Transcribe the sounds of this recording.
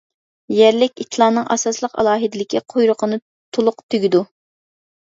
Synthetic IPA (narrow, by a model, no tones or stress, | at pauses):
jæɾlɪkʲit̪ʲʰlˠɑnɨŋʔɑ̰sɑslˠəqɑ̰lˠɑːɦɨd̪ɪlɪkʲiqʰojɾʊqʰənɨ | t̪ʰolˠʊqt̪ʰyɡʲid̪u